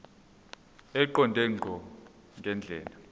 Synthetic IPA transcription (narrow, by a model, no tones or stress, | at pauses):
ɛǃɔndʱɛŋ͡ǃʱɔ | ŋɡʱɛnd͡ɮʱɛ̰ːla